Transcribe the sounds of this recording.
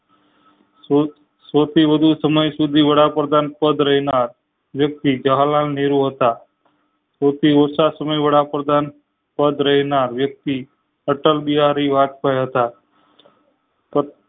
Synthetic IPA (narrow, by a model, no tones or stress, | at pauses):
sot̪ʰiʋəd̪ʱusəməjsud̪ʱiʋəɽapɾəd̪ʱanpəd̪ʱɾəɦinaɾ | ʋjək̚t̪id͡ʒəɦlalneɾuɦət̪a | sot̪ʰiosasəməjʋəɽapɾəd̪ʱan | pəd̪ʱɾəɦinaɾʋjək̚t̪i | əʈəlbiɦaɾiʋat̪̚pəjɦət̪a | pə